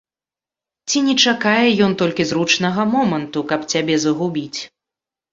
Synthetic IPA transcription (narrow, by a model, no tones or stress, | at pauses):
t͡sʲinʲɛt͡ʂakajɛjɔnt̪ɔlʲkʲizrut͡ʂnɐɣɐmɔmɐnt̪ukɐpt͡sʲabʲɛzɐɣubʲit͡sʲ